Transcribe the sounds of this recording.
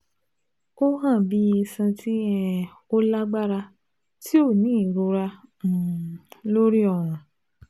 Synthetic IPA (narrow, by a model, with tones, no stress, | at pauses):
ko˦ɦã˦˨bi˦ji˧sã˧tʰi˦ɛ̃˧ | o˦la˦ɡ͡ba˦ɾa˧ | ti˦o˦˨nĩː˨˦˨ɾo˧ɾã˧˨ | lo˦ɾi˦ɔ˦˨w̃ɔ̃˨